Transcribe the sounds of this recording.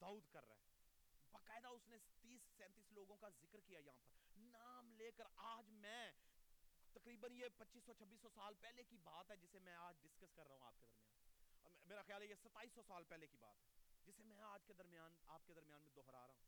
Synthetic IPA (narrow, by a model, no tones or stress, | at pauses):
d̪aːuːd̪kɐɾːa̰ɛ̰ːbaːkaːɪd̪aʊsnet̪iːsːɛ̃ːnt̪iːsloːɡõkazɪkəɾkijajɐɦãpɐɾnaːmleːkəɾaːd͡ʒmɛ̃ | t̪ɐkɾiːbənjepɐtːʃiːsːɔt͡ʃʰɐbːiːsːɔsaːlpɛːlekibaːt̪ɦɛd͡ʒɪsemɛ̃aːd͡ʒɖɪskəskɐɾːɐɦũa̰ːp̚ked̪əɾmja̰ːnmeːɾaxjaːlɛjesɐt̪ːaːiːsːɔsaːlpɛːlekiba̰ːt̪ɦɛːd͡ʒɪsemɛ̃aːd͡ʒked̪ɐɾmɪjaːnaːp̚ked̪ɐɾmjaːnmẽd̪ɔːɦɾa̰ːɾɐɦũː